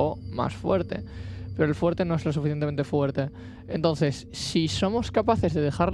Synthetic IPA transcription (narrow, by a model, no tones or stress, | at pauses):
oma̰sfweɾt̪e̞̰pe̞ɾoelfwe̞ɾt̪e̞noezlos̬ufiθjeneent̪efwe̞ɾt̪e | ent̪õ̞nθe̞sːiso̞mo̞skapaθe̞zðe̞ð̞exaɾ